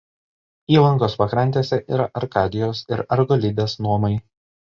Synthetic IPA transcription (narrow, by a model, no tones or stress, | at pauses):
iːlˠɐŋkoːspɐkɾɐnʲt̪ʲeːsʲɛʔḭːɾɐʔɐɾkɑːd̪ʲɪjoːsɪɾɐɾɡɔlʲɪd̪ʲeːsnuɔmɐɪ